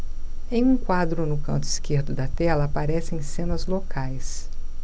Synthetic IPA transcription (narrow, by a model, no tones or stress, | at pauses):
ẽj̃ũkwad̪ɾʊnʊkɐ̃nt̪ʊiskeɾd̪ʊd̪ɐt̪ɛlɐːpaɾɛsẽj̃sẽnɐzlokajs